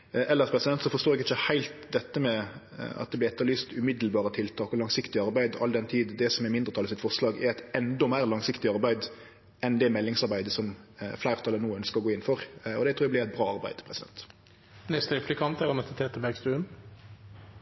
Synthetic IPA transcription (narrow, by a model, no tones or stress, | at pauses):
ʔɛlːəʁspʰʁɛsɪd̪ɛnt̪sɔfɔʁʂt̪oːɛɡɪçəhæɪlt̪d̪ɛt̪ːəmɛ | ɑ̰t̪̚d̪ɛblɪɛt̪ːəɾlyːst̪ʉmɪd̪lbɑːɾət̪ʰɪlt̪ʰɑːkɔlɑŋsɪkt̪ɪɑɾbæɪd̪ɑ̰ld̪ɛnt̪ʰiːd̪d̪ɛsɔmɛmɪnd̪ʁət̪ʰɑlɪsɪt̪fɔʁʂlɑːɡɛɾæɪt̪ɛnd̪ɔmæɪʁlɑŋsɪkt̪ɪɑɾbæɪd̪ | ɛnd̪ɛmɛlːɪŋsɑɾbæɪd̪əsɔmflæɪʁt̪ʰɑlːənuːœnskəʁɔɡoːɪnfɔʁɔ̰d̪ɛt̪ʰɾuːɛblɪɾʁɛɪt̪̚bʁɑːɑɾbæ̰ɪd̪pʰɾɛsɪd̪ɛ̰nt̪ | nɛst̪əɾɪplɪkʰɑnt̪ɛɾəmɛt̪ət̪ʰeːt̪əbɛɡsd̪ʉn